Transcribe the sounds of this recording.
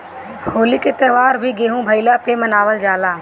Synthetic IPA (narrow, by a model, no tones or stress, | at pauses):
hoːliket̪eːʋaːɾbʱiːɡeːɦũːbʱəilaːpeːmənaːʋəld͡ʒaːlaː